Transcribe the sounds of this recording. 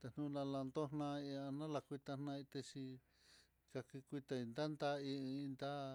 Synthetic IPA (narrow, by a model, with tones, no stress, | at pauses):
t̪e˧n̥nũ˧nã˧la˧nd̪o˦nnã˧i˧a˧nã˦la˧kʷi˧t̪a˧nnã˧i˧t̪e˧ʃi˧ | ka˧ki˧kʷi˧t̪a˧i˧nd̪a˦nd̪a˦ĩ˧i˧nd̪a˦